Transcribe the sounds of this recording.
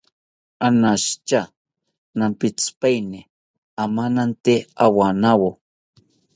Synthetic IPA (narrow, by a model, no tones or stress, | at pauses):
anaʃt͡ʃa | nampit͡spajni | amanant̪eawanawo